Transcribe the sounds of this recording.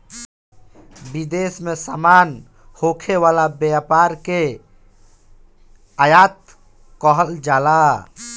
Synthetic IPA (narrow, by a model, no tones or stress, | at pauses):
bid̪esmesaman | hokʰeʋalabapaɾke | ajat̪ | kəɦəld͡ʒala